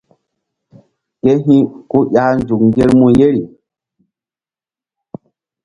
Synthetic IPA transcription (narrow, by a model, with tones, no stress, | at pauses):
ke˦ɦĩ˦ku˦ja˨˦n˦d͡ʒu˨kŋ˦ɡe˦ɾmũ˦je˦ɾi˨